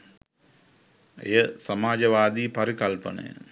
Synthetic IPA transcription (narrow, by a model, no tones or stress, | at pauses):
ḛjəsamaːd͡ʒəʋaːd̪iːpaɾikɐlpənə̰jə̰